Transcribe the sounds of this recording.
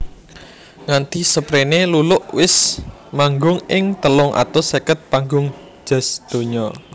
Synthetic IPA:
ŋant̪isəpɾenelulʊʔwɪsmaŋɡʊŋɪŋt̪əlʊŋʔa̰t̪ʊsekət̪̚paŋɡʊŋ̥ | d͡ʒ̥a̤sd̪̥o̤ɲɔ

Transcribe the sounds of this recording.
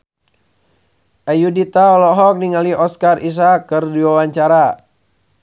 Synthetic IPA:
ʔajudit̪aɔlɔɦɔk̚niŋaliʔɔskaris̬akɨrdiwawaɲt͡ʃaɾa

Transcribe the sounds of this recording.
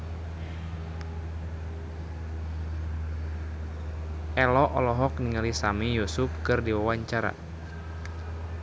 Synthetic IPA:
ʔɛlɔʔɔlɔɦɔk̚niŋalisamijusufkɨrdiwawaɲt͡ʃaɾa̰

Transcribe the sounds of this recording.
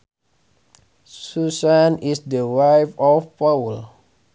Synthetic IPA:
susãnisdəwajfɔfpawl

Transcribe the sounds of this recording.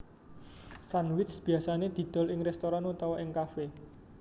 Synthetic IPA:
sanwɪsb̥i̤asaned̪̥i̤d̪̥ɔ̤lɪŋrɛst̪oɾanut̪awaʔɪŋkafe

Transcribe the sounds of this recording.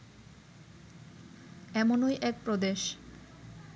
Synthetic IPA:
ɛmonojʔɛk̚pɾod̪eʃ

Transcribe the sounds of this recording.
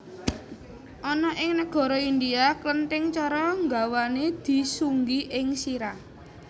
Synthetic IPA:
ʔɔnɔʔɪŋnəɡ̥ɔ̤ɾɔind̪iaklənt̪ɪŋt͡ʃɔɾɔŋɡa̤waned̪̥i̤suŋɡiʔɪŋsiɾa

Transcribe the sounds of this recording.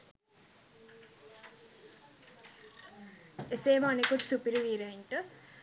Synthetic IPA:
eseːməanekut̪supiɾiʋiːɾeiɳʈə

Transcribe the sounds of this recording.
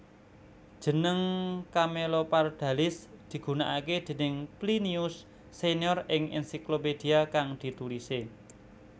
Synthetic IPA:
d̥ʒ̥ə̤nəŋkamelopard̪̥ä̤lɪsd̪̥i̤ɡ̥ṳnaʔaked̪̥e̤nɪŋpliniʊsː | enjɔrɪŋɛ̰nsikloped̪̥i̤akaŋd̪̥i̤t̪ulise

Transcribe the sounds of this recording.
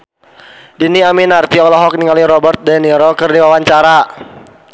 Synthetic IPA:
diniaminart̪iɔlɔɦɔk̚niŋaliɾɔbərt̪̚dɛniɾɔkərdiwawaɲt͡ʃaɾa

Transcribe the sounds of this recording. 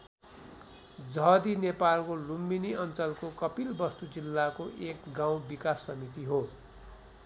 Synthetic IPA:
d͡zʌɦd̪inepalkolumbiniʌnt͡sʌlkokʌpilbʌst̪ud͡zilːakoʔekɡãw̃bikasːʌmit̪iɦo

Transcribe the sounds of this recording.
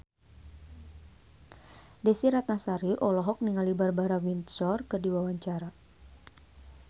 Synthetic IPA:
desiɾat̪̚nasaɾiʔɔlɔɦɔk̚niŋalibarbaɾawint̪sɔrkərdiwawaɲt͡ʃaɾa

